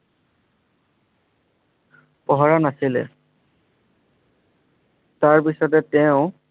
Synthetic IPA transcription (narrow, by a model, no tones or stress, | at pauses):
pɔɦɔɹanasilɛ̰ | taɹpisɔtɛtɛʊ̃